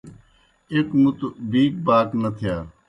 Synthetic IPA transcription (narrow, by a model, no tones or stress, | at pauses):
ekmut̪biːk̚baːknɐt̪ʰjaː